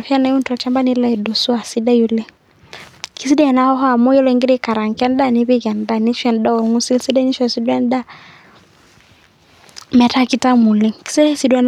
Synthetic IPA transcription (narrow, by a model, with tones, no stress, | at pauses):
fi˦a˦na˨˦ju˦ntɔ˨t͡ʃa˦mba˦ni˦la˦ɛ˨do˨su˦a˨si˦da˦ju˦le˦ | kʰi˨˦s̬i˦dɛ˦ɛ˨na˦hɔ˦ɦɔ˦a˨mɔ˦jɔ˦lŋɡi˦ɾi˦ka˨ɾa˨ŋ˨kɛ˦n˦da˦˨ni˦βi˦kɛ˨n˨da˦ni˦ʃwɛ˨ndɔ˦˨ŋu˦si˦lsi˦dɛ˦ni˦ʃɔ˨si˦dwɛ˦n˦da˦˨ | mɛ˨ta˦ki˦ta˦mu˨le˦ki̥˨˦si˦dɛ˦si˨dwɛ˦n